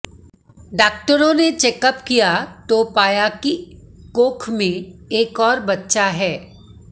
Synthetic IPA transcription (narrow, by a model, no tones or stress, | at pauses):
ɖaːk̚ʈəɾõnet͡ʃɛːkəpkijat̪opaːjakikoːkʰmẽeːkɔːɾbɐtːʃaɦɛː